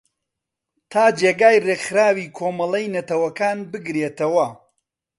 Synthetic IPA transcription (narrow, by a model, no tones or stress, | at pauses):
t̪ʰaːd͡ʒeːɡaːjreɡxɨɾaːwiːkʰoːmɐlˠɐjnɐt̪ɐwɐkaːnbɨɡɾeːt̪ɐwɐ